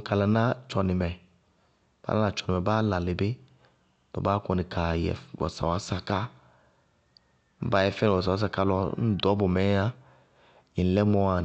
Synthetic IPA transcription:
ka˨la˨˦nã˦t͡ʃɔ˨nɪ˨mɛ˨ | b̥a̰˦a˦a˨t͡ʃɔ˨nɪ˨ɛ˨baː˦la˨lɪ˨bɪ˦ | tɔ̰˨baː˦kɔ˨nɪ˨kʰa˨jɛ̰˨wɔ̰˨sa̰˨wa˨˦sa˨ka˦ | m̩˦ba˦jɛ˨fɛ˦n˨ɔ˨sa˨a˨˦s̬a˨ka˦lɔ˦n̩˦dɔ˦bʊ˨mɛ˨˦a˦ | ɲi˨˦lɛ˦mɔ˦a˨

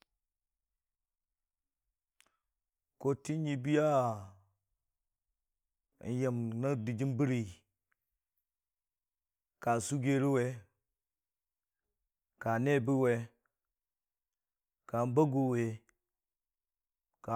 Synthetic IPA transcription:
ko˦ti˦n˦ji˦bi˦ja˦˨ | n̩˨˦je˨mna˦di˨d͡ʒi˦nbi˦ɾi˨ | ka˨su˦ɡe˦ɾi˦we˦ | ka˨ne˦˨bi˦we˨ | ka˨n˦ba˦ɡu˨we˨ | ka˨

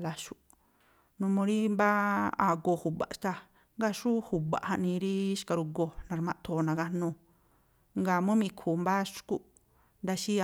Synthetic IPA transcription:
la˧ʃu˧ | nũ˧mõ˧ɾi˦mba˦a̰˧˨ɡo˧˨hu˨ba̰˨ʃt̪a˧ | ŋɡa˦ʃu˦hu˨ba̰˨ʔhã˧ʔnĩ˧ɾi˦ʃka˧ɾu˧ɡo˧˨nã˧ɾmã˧ʔt̪ʰo˧˨nã˨˧ɡa˧nũ˧ | ŋɡa˧˨mũ˦mĩ˧kʰu˨mba˦ʃku˦ʔ | nd̪a˧ʃi˦

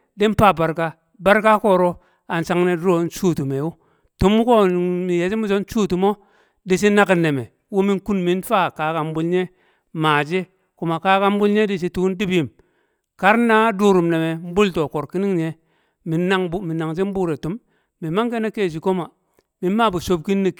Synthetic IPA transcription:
de˦n˦pa˦˨ba˨ɾka˦ | ba˦ɾka˦ko˦˨ɾo˦ | a˨nsa˨˦ŋne˨dɾo˦n˦t͡ʃu˦˨tu˨me˨wu˦ | tu˨˦m˦ko˦˨mi˨je˨d͡ʒi˦mu˦d͡ʒo˦n˦t͡ʃu˦tu˨mo˦ | di˨si˦na˦ki˨nːe˨me˨ | wu˦mi˦ŋku˦nmi˦nfa˦˨ka˨˦ka˨m˦bu˦lɲe˦ | maː˨d͡ʒe˦ | ku˨ma˨ka˦ka˦m˦bu˦lɲe˦di˦˨si˦tu˦kn˦di˦bi˨m | ka˦ɾna˦du˦ɾu˨mne˨me˨m̩˦bu˦lto˨ko˨ɾki˦ni˦ŋɲe˨ | mi˨na˦ŋ˦mi˨na˨ŋd͡ʒi˦m˦buː˦ɾe˨tu˨˦mː | i˨ma˦ŋke˦ne˦keː˦˨d͡ʒi˨ko˦ma˨ | mi˨n˦ma˦˨bu˨so˦b̚ki˦nːi˨

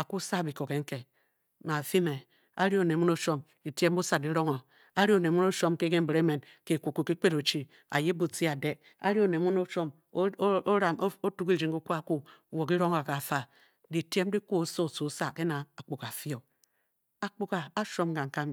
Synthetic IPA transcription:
a˨ku˦sa˦˨bi˨ko˨ke˨ŋ̩˦ke˨ | na˨fi˦me˨ | a˦ɾi˦o˨ne˨mu˦no˦ʃo˦m | i˨ti˦e˦m˦bu˦sa˨di˦ɾo˦ŋo˨ | a˦ɾi˦o˨ne˨mu˦no˦ʃo˦mke˦ke˦m̩˦bɾe˦me˨n | ke˨ku˨ku˨ki˦k͡pe˦ɾo˨t͡ʃi˦ | a̰˨je˦bu˨ti˦a˨de˦ | a̰˦ɾi˦o˨ne˨˦mu˦no˦ʃo˦m˦ | o˦ɾa˨m˦o˦tu˦ki˦d͡ʒi˨ŋɡu˦ku˦a˦ku˦˨wo˨ki˦ɾo˦ŋa˨ka˨fa˨ | di˨ti˦e˦m˦di˦ku˦o˨˦so˦˨su˨˦sa˦ke˦na˨a˨k͡pu˨ka˨fi˦o˨ | a˨k͡pu˦ka˨a˦ʃo˦mɡa˨ŋ̩˨ka˦m˨

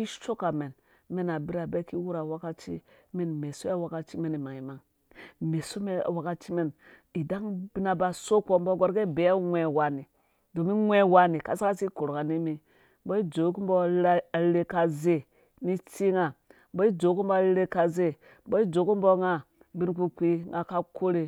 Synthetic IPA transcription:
i˦t͡ʃo˦ka˨me˨n | me˦na˨bi˦ɾa˨be˦ki˦wu˦ɾa˨wa˦ka˦t͡ʃi˦me˨nme˨so˦ja˦wa˦ka˦t͡ʃi˦me˦ni˨ma˨ŋi˨ma˦ŋ | me˨so˦me˦a̰˨wa˨ka˦t͡ʃi˦me˦n | i˨da˦ŋb̥i˦na˨ba˨so˦ko˦mbo˦ɡo˦ɾɡe˦be˨˦a˦ŋʷe˨wa˨ni˨ | do˨mi˦ŋʷe˦wa˦ni˨ka˨sa˦ka˦si˦ko˨ɾka˨ni˦mi˨ | bo˦i˦d͡ʒo˨˦ku˦m˦bo˦˨˦a˨˦e˦ka˨ze˦ | ni˦t͡ʃi˦ŋa˨ | bo˦i˦d͡ʒo˨˦ku˦mbo˦˨lle˦ka˨ze˦ | bo˦i˦d͡ʒo˨˦ko˦mbo˦ŋa˦ | bi˦nku˦kʷi˦ŋa˨ka˦ko˦ɾe˨

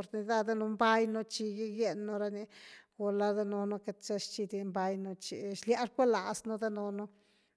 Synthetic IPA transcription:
o˧ɾni˧d̪a˦d̪a˦no˧mba˦jno˧t͡ʃi˧ɡi˦ɡe˧nːo˧ɾa˧ni˧ɡo˧la˧d̪a˦no˧no˦˧ke˧t̪t͡ʃe˦ʂt͡ʃi˧d̪i˧mba˦jno˧t͡ʃḭ˧ʃlja˦ɾkʷe˦la˨sno˦d̪a˦no˧no˦

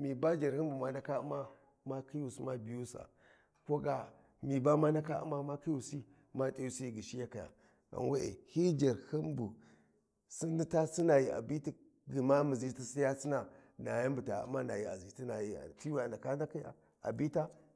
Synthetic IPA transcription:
mi˨ba˦d͡ʒa˨ɾhi˦mbu˨ma˦na˦ka˦u˦ma˦ | ma˦ki˦ju˨si˦ma˦bi˨ju˦sa̰˨ | ko˦ɡa˨ | mi˨ba˦ma˦na˦ka˦ṵ˦ma˦ma˦ki˦ju˨si˦ | ma˦tʼi˦u˨si˦i˨ɡi˨ʃi˦ja˦ka˨ja̰˨ | a̰˨nwe˦ʔḛ˨hi˦d͡ʒa˨ɾhi˦mbu˨ | si˦ndi˦ta˦si˦na˨ji˨a̰˨bi˦ti˦ | ɡi˨ma˦mi˨zi˦ti˦si˦ja˦si˦na˨na˨ja˦m˦bu˨ta˨ṵ˦ma˦na˨ji˨a̰˨zi˨ti˦na˨jḭ˦˨ti˦ju˦a˨nda˨ka˦n˦da˦ki˦ja̰˨ | a̰˨bi˦ta˦

